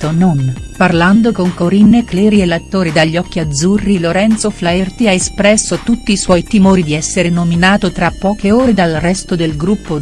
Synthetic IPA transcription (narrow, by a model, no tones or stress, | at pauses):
ononparland̪okoŋkoɾinːeklɛːɾielːat̪ːoːɾid̪aʎːɔkːiad̪zurːiloɾɛnt̪soflaert̪iaespɾɛsːot̪ut̪ːiːswɔjt̪imoːɾid̪iɛsːeɾenominaːt̪ot̪ɾapːɔːkeoːɾed̪alrɛst̪od̪elɡɾupːo